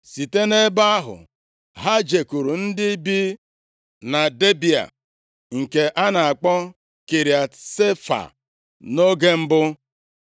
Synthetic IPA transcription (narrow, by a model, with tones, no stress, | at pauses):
si˨te˦ne˦ba˦a˦ɦʊ̰˨ | ɦa˦d͡ʒe˨ku˨ɾu˨n̩˦dɪ˦bi˦ | na˨de˦bi˨a̰˨ | ŋ̩˨ke˨ʔa˦na˨a˨k͡pɔ˦ | kɪ˨ɾja˨se˦fa̰˨ | no˦ɡe˦m̩˦bʊ˦